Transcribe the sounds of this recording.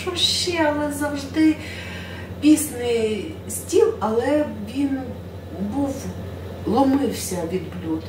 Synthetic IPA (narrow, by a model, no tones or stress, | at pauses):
ʃɔʃt͡ʃːɛɐlˠɛzɐwʒd̪ɪ | pʲisnɪj | sʲtʲiwɐlˠɛʋʲin | buw | lˠɔmɪwsʲɐʋʲid̪blʲut̪